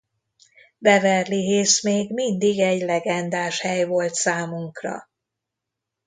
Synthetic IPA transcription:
bɛvɛrliɦeːsmeːɡmind̪iɡɛɟlɛɡɛnd̪aːʃhɛjvo̞lt̪saːmuŋkrɒ̰

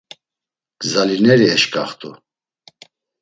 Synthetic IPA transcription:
ɡ̥zalinɛɾiɛʃkʼaχt̪ʰʼu

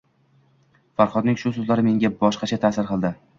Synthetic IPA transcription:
faɾχɒd̪nɪŋʃʊsʊzlaɾɪme̞ŋɡʲabɒʃqɑt͡ʃʰat̪ʰaːsɪɾqɨlˠd̪ɪ

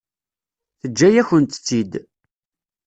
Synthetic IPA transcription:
θəd͡ʒːæjæçənt̪t͡sːid̪

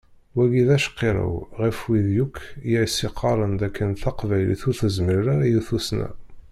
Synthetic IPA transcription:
wæɡiðæʃə̥qːiɾˤə̰wʁifwiðjukʰːjiʕisiqʰːɑɾˤənd̪ækʰːənθɑqvæjlḭθuθəzməɾɾaɾajuθusnæ̰

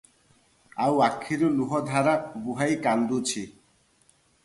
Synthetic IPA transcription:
awakʰːiɾuluɦɔd̪ʱaɾabuɦajkand̪ut͡ɕʰi

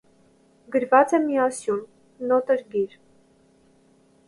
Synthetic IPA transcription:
ɡəɾvɑt͡sɛmiɑsjun | nɔt̪əɾɡiɾ

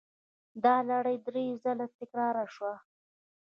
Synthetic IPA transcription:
d̪ɑlaɽəjd̪ɾezalat̪ɪkɾɑɾaʃwa

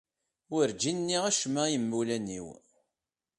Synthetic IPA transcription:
wəɾd͡ʒinnːiʁæʃmæjəmːulænḭw

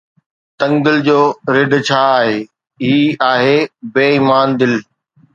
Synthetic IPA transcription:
t̪ɐ̃ŋɡd̪ɪld͡ʑoːɾɪɖʱt͡ɕʰaːaːɦeː | ɦiːaːɦeːbeːiːmaːnd̪ɪl

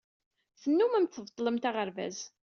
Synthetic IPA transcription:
θənːumæmt̪θəvt̪ˤːləmt̪aʁəɾvæ̰z

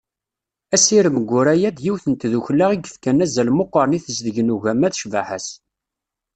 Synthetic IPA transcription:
æsiɾəməɡʷːʊɾæjæd̪jiwθənt̪ðuçlːaʁiɡə̥fkænæzælmoqːəɾniθəzðəʝnuʝæmæθʃvaħæs

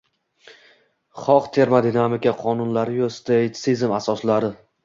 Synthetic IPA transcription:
χɒqt̪ʰe̞ɾmad̪inamɪkʲaqʰɒnʊnlaɾɪjost̪ejt̪sizmasɒslaɾɪ

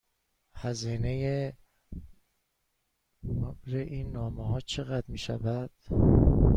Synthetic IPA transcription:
hæziːneje | bɾeʔiːnːɒːmehɒːt͡ʃʰe̞ɣæd̪miːʃæ̰væd̪̥

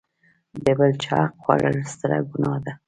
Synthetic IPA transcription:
b̪ebəlt͡ʃɑqxwa̰ɾəlst̪əɾa̰ɡunɑd̪a

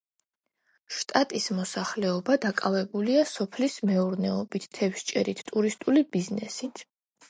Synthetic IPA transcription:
ʃt̪ʼat̪ʼismɔsaχlɛɔbad̪akʼavɛbuliasɔpʰlismɛuɾnɛɔbit̪ʰt̪ʰːɛfʃt͡ʃʼɛɾit̪ʰt̪ʼuɾist̪ʼulibiznɛ̰sit̪ʰ

